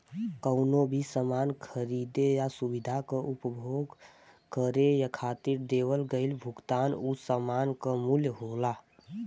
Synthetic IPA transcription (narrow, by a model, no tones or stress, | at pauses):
kəʊnobʱisəmaːnkʰəɾid̪ejasubid̪ʱakaʔʊpbʱoɡ | kəɾejakʰaːt̪iɾd̪eːwəlɡəɪlbʱʊɡt̪aːnusəmaːnkamuljɦoːla